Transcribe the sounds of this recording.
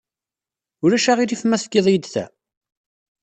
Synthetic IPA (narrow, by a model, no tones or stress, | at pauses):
ʊɾæʃaʁiɾifmæθɡːeðˤjəd̪θæ̰